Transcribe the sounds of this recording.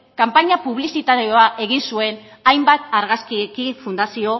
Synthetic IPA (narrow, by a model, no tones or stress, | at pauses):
kampaɲapuβ̞lisit̪aɾeoaʔe̞ɣinsue̞n | ajmbat̪aɾɣaskikifund̪asio̞